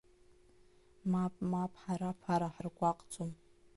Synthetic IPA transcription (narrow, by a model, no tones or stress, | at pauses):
mapʼmapʼħaɾapʰaɾaħrɡʷaqʼt͡sʰʼom